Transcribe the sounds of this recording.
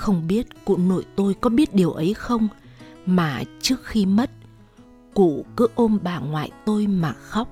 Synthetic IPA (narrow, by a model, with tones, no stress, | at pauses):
xə˧wŋ͡mɓi˦˥ət̚kṵ˧˨no̰˧˨jt̪o˧jkɔ˨˦ɓi˦˥ət̚ɗi˨˩əwʔə˨˦jxə˧wŋ͡m | maː˨˩t͡ɕɨ˦˥ək̚xi˧mə˦˥t̚ | kṵ˧˨kɨ˨˦ʔo˧nɓaː˨˩ŋwa̰ː˧˨jt̪o˧jmaː˨˩xa˦˥wk͡p̚